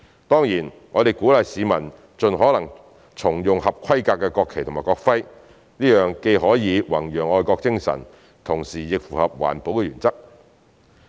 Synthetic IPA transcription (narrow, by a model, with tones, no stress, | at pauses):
t̪ɔː˥ŋjiː˨˩n | ŋɔː˨˧d̪e˨jkuː˨˥lɐ˨jsiː˨˧mɐ˨˩n | t͡sɵ˨nɦɔː˨˥lɐ˨˩ŋ | t͡sʰʊ˨˩ŋjʊ˨ŋhɐ˨p̚kʷʰɐ˥jkaː˧kːɛː˧kɔː˧kʰe˨jt̪ʰmaː˨jkɔː˧k̚fɐ˥j | niː˥jœː˨ŋke˧jɦɔː˨˥jiː˨˧wɐ˨˩ŋjœː˨˩ŋɔː˧jkɔː˧k̚t͡sɪ˥ŋsɐ̰˨˩n | t̪ʰʊ˨˩ŋsiː˨˩jɪ˨k̚fuː˨˩hɐ˨p̚wa̰ː˨˩npo˨˥wkɛ˧ɥyː˨˩nt͡sɐ˥k̚